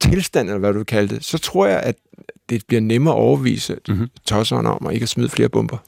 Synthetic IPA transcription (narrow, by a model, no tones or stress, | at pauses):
t͡sʰelsd̥æn̰elɐʋæd̥uʋekʰæləd̥e̝sɒ̽t͡sʰʁo̝ɐ̰jɑ̈ɪʔæd̥d̥e̝b̥liɐnemɐːʔɒʊɐʋḭːsət͡sʰɒ̽sɒnɒ̽mae̝ɡ̥əæsmiðˠfle̝ːɐb̥ɔ̽mb̥ɐ